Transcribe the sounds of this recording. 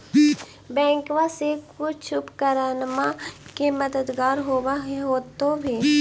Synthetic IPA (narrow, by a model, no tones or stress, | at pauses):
bɛ̃ːŋkʋasekʊt͡ʃʰʊpkəɾaːnmakemɐd̪əd̪ɡaːɾɦoːwaɦɛɦoːt̪õbʱiː